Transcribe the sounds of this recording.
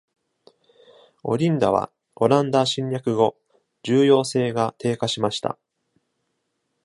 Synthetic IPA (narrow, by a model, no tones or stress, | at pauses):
o̞̰ɾʲĩnd̪aβ̞a̰ | o̞ɾãnd̪aɕĩɲjakɯ̟ɡo̞ | d͡ʑɨːjo̞ːse̞ːɡat̪e̞ːkaɕimaɕi̥t̪a̰